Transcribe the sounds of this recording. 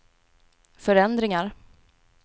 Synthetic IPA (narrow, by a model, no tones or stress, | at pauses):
fœɾɛnd̪ɾɪŋaɾ